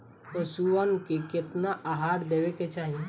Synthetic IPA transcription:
t̪osuʋənkekɪt̪naʔaɦaːɾd̪eːweket͡ʃaːɦie

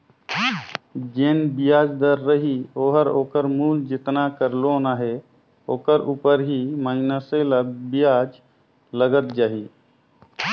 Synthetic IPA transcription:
d͡ʒeːnbijaːd͡ʒd̪əɾːəɦioːɦəɾoːkəɾmuːld͡ʒɪt̪nakəɾlonaɦe | oːkəɾuːpəɾɦiməinəseləbijaːd͡ʒ | ləɡət̪̚d͡ʒaːɦiː

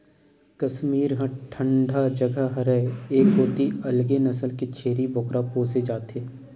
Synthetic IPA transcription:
kɐsmiːɾɦãʈʰə̃ɳɖʱad͡ʒəɡəɦɐɾɛeːkːoːt̪iɐlɡenɐsəlket͡ʃʰeːɾibʱoːkɾʔapoːsed͡ʒaːt̪eː

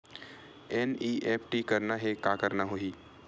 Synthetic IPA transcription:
ɛniːʔeːpʰʈikɐɾnaɦekaːkəɾnaɦoiː

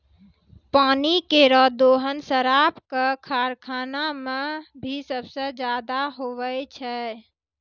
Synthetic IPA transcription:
paːnikeɾɔd̪oːɦənsəɾapkəkʰaːɾkʰaːnamẽbʱisəbsəd͡ʒjaːd̪aɦoʋət͡ʃʰɛ

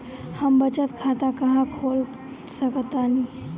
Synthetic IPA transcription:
həmbət͡ʃət̪kʰat̪akəɦãkʰol | səkt̪ani

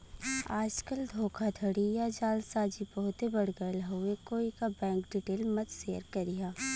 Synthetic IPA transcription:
aːd͡ʒkɐld̪ʱoːkʰad̪ʱɐɽijad͡ʒaːlsaːd͡ʒibɐɦʊt̪ebɐɽɡəlɦʊekoːikabɛ̃ːŋkɖiʈeːlmɐt̪seːəɾkɐɾɪjaː

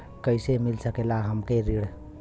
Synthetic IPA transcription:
kəɪsemilsəkelaɦəmkeɾiɽ

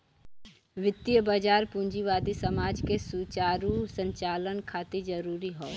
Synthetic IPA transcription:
ʋɪt̪ːijəbad͡ʒaːɾpũɲd͡ʒiʋaːd̪isɐmaːd͡ʒkesuːt͡ʃaːɾusə̃ɲt͡ʃaːlənkʰaːt̪id͡ʒɐɾuːɾiɦoː

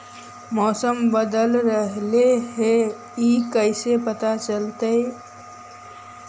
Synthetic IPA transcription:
mɔːsəmbəd̪əlɾəɦleɦe | ikəɪsepət̪at͡ʃəlt̪e

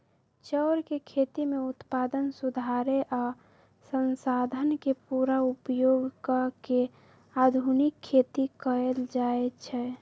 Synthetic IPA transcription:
t͡ʃəʊɾkekʰet̪imeut̪pad̪ənsud̪ʱaɾeʔa | sənsad̪ʱənkepuɾaupjoɡkəke | ad̪ʱunɪkʰːet̪ikəeld͡ʒaet͡ʃʰɛ

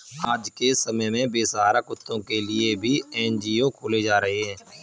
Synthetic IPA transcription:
aːd͡ʒkesəməjmẽbeːsaːɾakʊt̪ʰːõkelɪebʱiɛːnd͡ʒiːokʰoːled͡ʒaːɾəɦeɦɛ̃ː

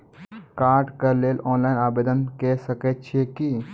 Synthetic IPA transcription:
kaːɾʈkɐɾleːlɔːnlaːɪnaːbeːd̪ənkɛsəket̪̚t͡ʃʰeki

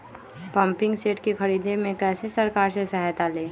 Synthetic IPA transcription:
pɐ̃mpɪ̃ŋɡseːʈkexɐɾiːd̪emẽkɛːsesɐɾkaːɾsesɛɦt̪aleː

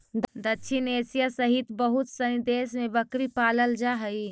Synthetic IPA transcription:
d̪əʃʰineːsijasəɦit̪bəɦut̪sənid̪eːsmebəkɾipaːləld͡ʒaɦəi

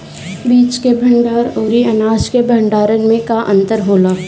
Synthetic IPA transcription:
biːt͡ʃkebʱɐ̃ɳɖaːɾoːɾiɐnaːskebʱɐɳɖaːɾənmẽkaʔɐ̰̃nt̪əɾɦoːlaː

